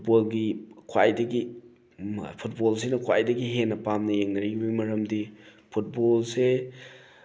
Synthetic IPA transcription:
bolɡikʰwajdɐɡi | pʰut̚bols̬enɐkʰwa̰jdɐɡiɦenːɐpamnɐjeŋnɐɾibimɐɾɐmdipʰut̚bolse

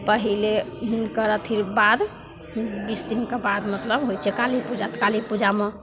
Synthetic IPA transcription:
pəɦileɦinkəɾət̪ʰiɾbad̪ | bisd̪inkebad̪mət̪ləbɦojt͡ʃʰɛkalipud͡ʒat̪kalipud͡ʒame

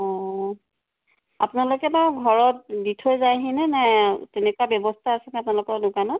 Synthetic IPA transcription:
ɔ̃ | apʊnalʊkɛbaɡʱɔɹɔt̚ditʰojzajɦinɛnɛtɛnɛkuwabjɔbɔstʰaːsɛnɛapʊnalʊkɔɹdʊkanɔt̚

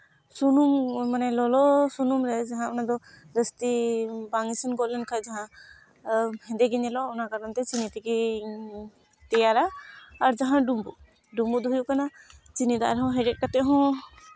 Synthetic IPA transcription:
sunummanɛlɔlɔsunumɾɛd͡ʒaɦãɔnad̪ɔ | d̪əst̪ibaŋisinɡɔʔlɛnkʰad͡ʒaɦã | hɛ̃nd̪ɛɡiɲɛlɔɔnakaɾant̪ɛt͡ʃinit̪ɛɡi | t̪ɛjaɾaːɾd͡ʒaɦãɖumbuʔ | ɖumbuʔd̪ɔɦujuʔkanat͡ʃinid̪a̰ʔa̰ɾɛɦɔ̃ɦɛɾɛt̚kat̪ɛʔɦɔ̃

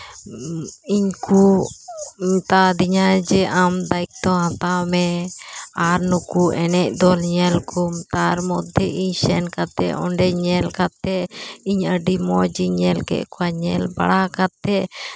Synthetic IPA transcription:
iɲku | ɲt̪ad̪iɲad͡ʒɛʔamd̪aik̚t̪ɔ̃ɦãt̪amɛ | aɾnukuʔɛnɛʔ̚d̪ɔlɲɛlkʰumt̪aɾmɔd̪ʱɛiɲsɛnkat̪ɛ̰ʔɔɳɖɛɲɛlkat̪ːɛiɲəɖimɔd͡ʒiɲɛlkɛ̰ʔkɔaɲɛlba̰ɽakat̪ːɛ

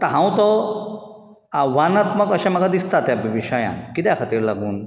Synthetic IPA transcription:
t̪əɦãw̃t̪ɔ | aʋanat̪məkəɕãm̤əɡad̪ist̪at̪jabʱɐʋiɕəjã̰nkit̪̬jkʰət̪iːɾlaɡuːn

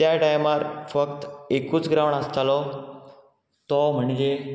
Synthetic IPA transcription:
jaʈajmaɾfəkt̪ekũːt͡sɡɾaʋəɳəst̪alɔ | t̪ɔm̤əɳd͡ʑe

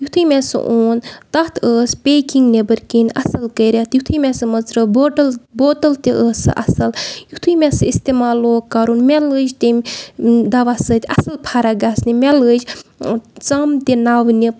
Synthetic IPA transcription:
jut̪ʰɨjmʲɛsɨ̰ʔoːnt̪ɐɦt̪ʰəːspʲeːkiŋɡnebɐɾkinʲɐ̰sɐlkəjɾʲat̪jut̪ʰɨjmɛsɨmɐzɾəboːʈəlboːʈɐlt̪iʔəːsɨ̰ʔɐ̰sɐljut̪ʰɨjmɛsɨist̪eːmaːloːkaːɾuːnmʲɛlɨd͡ʒt̪emd̪ɐʋasɨt̪ʲɐ̰sɐlpʰaːɾaɡaːsnimʲɛləd͡ʒ | t͡sɐmt̪ʲenaːʋni

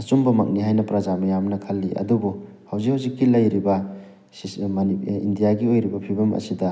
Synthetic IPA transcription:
ɐsumbɐmɐk̚niɦajnɐpɾɐd͡ʒamɐjamnɐkʰɐlːiʔɐ̰dubu | hawzikhawzikːilɐjɾibɐ | mnḭndijaɡiojɾibɐpʰibɐmʔɐ̰sidɐ

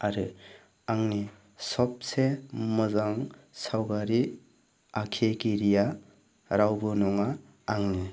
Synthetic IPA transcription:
aɾɯ | aŋni | sɔp̚semɯzaŋsawɡaɾi | akʰekiɾija | ɾawbɯnɔŋaː | ŋni

